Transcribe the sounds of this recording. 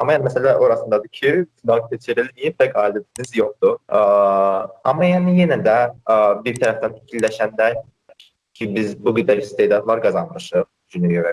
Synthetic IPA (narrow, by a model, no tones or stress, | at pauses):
amajaːnmɛselʲaːʔo̞ɾasɯnd̪ad̪ɯcʰit̪ʰynakt̪et͡ʃʰiɾlʲimijipʰɛcaːlʲːed̪ʰinizjok̚t̪ʰʊ | a̰majanijenid̪ɛbiɾt̪ʰaɾaft̪anʰi̥cʰilʲːeʃænd̪æɾ | cʰibizbuɡyd̪ɛɾist̪ejd̪at̪vˠaɾkʰazanɾɯʃɯ | d͡ʒynejøɾɛk